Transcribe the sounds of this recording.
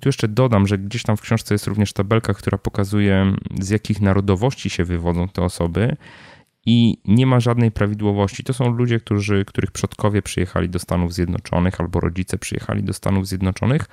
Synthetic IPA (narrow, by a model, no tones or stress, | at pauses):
t̪ujɛʂt͡ʂɛd̪ɔd̪amʐɛɡd͡ʑeɕt̪amfkɕɔ̃ʂt̪sɛjɛst̪ɾuvɲɛʂt̪abɛlkakt̪uɾʔapɔkazujɛzjakʲixnaɾɔd̪ɔvɔɕt͡ɕiɕɛvɘvɔd̪zɔ̃w̃t̪ɛɔsɔbɘ | iɲɛmaʐad̪nɛjpɾavʲid̪wɔvɔɕt͡ɕit̪ɔsɔ̃w̃lud͡ʑɛk̚t̪uʐɘkt̪uɾɘxpʂɔt̪kɔvʲjɛpʂɨjɛxa̰lʲid̪ɔst̪anuvzʲjɛd̪nɔ̰t͡ʂɔ̰nɘxalbɔɾɔ̰d͡ʑit̪sɛpʂɨjɛ̰xa̰lʲḭd̪ɔst̪a̰nuvzʲjɛd̪nɔt͡ʂɔ̰nɘx